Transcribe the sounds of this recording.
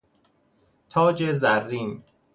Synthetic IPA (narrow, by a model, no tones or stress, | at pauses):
t̪ʰɒːd͡ʒezærːiːn